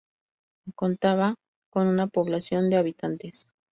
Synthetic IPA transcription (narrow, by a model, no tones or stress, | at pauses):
ko̞nt̪aβa | ko̞nunapo̞βlasjo̞nd̪eaβit̪ant̪es